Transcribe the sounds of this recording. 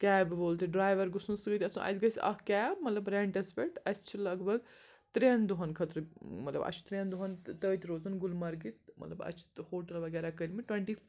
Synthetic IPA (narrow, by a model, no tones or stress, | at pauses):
kʲɛːbiʋoːlt̪iɖɾaːjʋɐɾɡusũnsɨɡət̪ʲɐsũʔɐ̰sʲɡɐsʲɐ̰kɛːmɐt̪lɐbɾeɳʈɐspeʈɐsʲt͡ʃʰilɐɡbɐɡ | t̪ɾeːnd̪uɦɐnkʰɐt̪ɾɨmɐt̪lɐbɐ̰t͡ʃʰt̪ɾeːnd̪uɦɐnt̪əːt̪ʲiɾoːzɐnɡulmɐɾɡit̪mɐt̪lɐbɐ̰t͡ʃʰi̥hoːʈɐlʋɐɡɛːɾakəɾʲmiʈwẽɳʈi